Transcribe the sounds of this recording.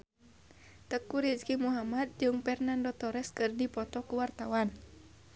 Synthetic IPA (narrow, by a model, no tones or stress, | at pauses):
t̪əkuɾid͡ʒkimuɦamad̪̚d͡ʒɨŋpɛrnandɔt̪ɔɾɛskɨrdipɔt̪ɔkuwart̪awan